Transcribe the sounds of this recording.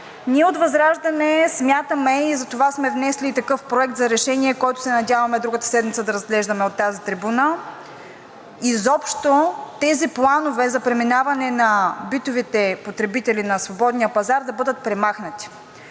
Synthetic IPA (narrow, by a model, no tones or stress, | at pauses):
niɛot̪vɐzɾaʒd̪ɐnɛsmʲjat̪əmɛizɐt̪ovasmɛvnɛslit̪ɐkɤfpɾoɛkt̪zɐɾɛʃɛniɛkɔjt̪ʊ̥sɛnɐdʲavɐmɛd̪ɾuɡət̪ə̥sɛd̪mit̪səd̪ɐɾɐzɡlɛʒd̪ɐmɛot̪ːazit̪ɾibuna | izɔpʃt̪ot̪ɛziplˠanovɛzɐpɾɛminavɐnɛnɐbit̪ovit̪ɛpot̪ɾɛbit̪ɛlinɐsvobɔd̪nijəpɐzaɾd̪ɐbɤd̪ət̪̚pɾɛmaxnɐt̪i̥